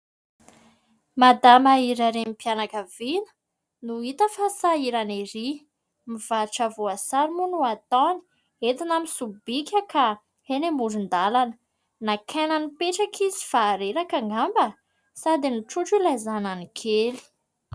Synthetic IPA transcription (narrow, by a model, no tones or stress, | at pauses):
mad̪amaiɾaɾemipianakəvinə̥ | nuit̪əfasaiɾaneɾi | miv̥aʈ͡ʂavoasaɾimunuat̪ɔni̥ | et̪inamisubikʲəka | henemuɖ͡ʐund̪alanə | nakʰananipeʈ͡ʂakʰizi̥faːɾeɾakaŋɡambə | sad̪iniʈ͡ʂuʈ͡ʂilazananikʰeli̥